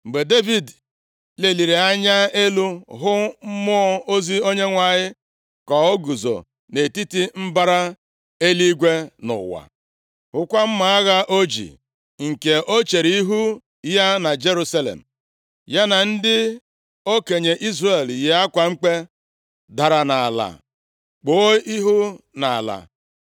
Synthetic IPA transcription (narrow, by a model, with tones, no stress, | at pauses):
m̩˨ɡ͡be˨de˦vi˨d | le˨li˨ɾi˨a˦ɲa˦e˦lu˦ɦʊ˦m̩˦mʊ˦ɔ˦o˦zi˦o˦ɲe˦ŋʷa˨ɲɪ˦ | kɔ˨ɔ˦ɡu˨zo̰˨ | ne˨ti˦ti˦m̩˦ba˦ɾa˦ | e˦li˦ɡʷe˦nʊ̰˨wa̰˨ | hʊ˦kʷa˦m̩˦ma˨a˦ɣa˦ʔo˦d͡ʒḭ˨ | ŋ̩˨ke˨ʔo˦t͡ʃe˨ɾi˦i˦ɦu˦ | ja˦na˨d͡ʒe˦ɾu˦sa˦lḛ˨m̩˨ | ja˦na˨n̩˦dɪ˦ | o˦ke˨ɲe˨ʔi˦zre˨lje˨a˦kʷa˨ŋ͡m̩˦k͡pe˦ | da˨ɾa˨na˨a̰˨la̰˨ | k͡po˨˦i˦ɦu˦na˨a̰˨la̰˨